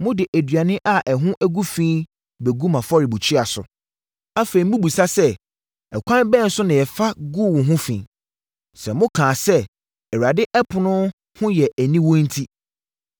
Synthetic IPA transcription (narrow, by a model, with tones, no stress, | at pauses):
mʊ̃˦dɪ˨ʔæ˨dɥa˨nɪ̃˦ʔa˨ʔɛ˨ɦʊ̃˦ʔæ˦ɡu˦fĩ˦ | bɛ˨ɡu˦mã˨fɔ˦ɾi˨bu˨t͡ɕʰi˦a˨sʊ̰˨ | a˦fe˨ɾi˨mũ˦bu˨sa˦sɛ˦ | ɛ˨kʷʰã˦n˦bɛ˦˨n̩˦sʊ˦nɪ̃˨ɛ˨fa˦ɡu˦˨wʊ̃˨ɦʊ̃˦fḭ̃ː˨ | sɛ̃˨mʊ̃˦kʰãː˨sɛ˦ | ɛ˨ɾa˨dɪ˦ʔɛ˦pʰʊ˨nʊ̃˦ | hʊ̃˦jɛ˨ʔæ˨nĩ˦wɔ̃˦n̩˦tʰi˦